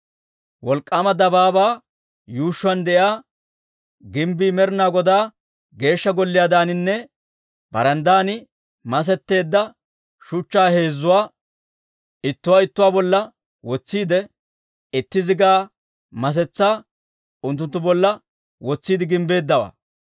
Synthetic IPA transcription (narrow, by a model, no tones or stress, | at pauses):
wɔlkʼːamɐd̪ɐbaːbaː | juːʃːʊɐnd̪ɛʔjaː | ɡɪmbiːmɛɾnaːɡɔd̪aː | ɡe̞ːʃːɐɡɔlːɪjaːd̪aːnɪnːɛ | b̥ɐ̰ɾɐnd̪aːnɪ | mɐs̬ɛt̪ːe̞ːd̪ːɐ | ʃʊt͡ʃːaːhe̞ːzːʊwaː | ɪt̪ːʊwaːɪt̪ːʊwaːbɔlːɐ | wɔt͡sːiːd̪ɛ | ɪt̪ːɪzɪɡaː | mɐs̬ɛt͡sːaː | ʊnt̪ːʊnt̪ːʊbɔlːɐ | wɔt͡sːiːd̪ɪɡɪmbe̞ːd̪ːɐwa̰ː